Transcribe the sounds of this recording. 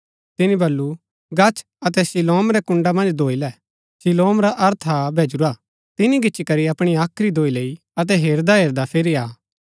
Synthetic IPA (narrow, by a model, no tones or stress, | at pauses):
t̪ɪnĩbɐlːu | ɡɐt͡ʃʰ | ɐt̪̬ɛsɪloːmɾɛkʊ̃ɳɖamɐ̃nd͡ʒd̪ʱoːilɛ | sɪloːmɾaʔɐɾt̪ʰabʱeːd͡ʒɾa | t̪ɪniɡɪːt͡ʃikɐɾiɐpɽ̃iaːkʰɾid̪ʱoːileːi | ɐt̪̬ɛɦeːɾd̪aɦeːɾd̪apʰeɾiaː